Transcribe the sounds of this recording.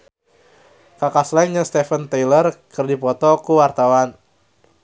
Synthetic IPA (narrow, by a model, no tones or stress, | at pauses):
kakaslainɲast̪ɛfənt̪ajlərkɨrdipɔt̪ɔkuwart̪awan